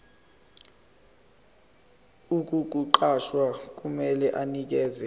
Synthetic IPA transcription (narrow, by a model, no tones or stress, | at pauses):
uk̬ʼuk̬ʼuǃaʃwak̬ʼumɛlɛʔanik̬ɛːzɛ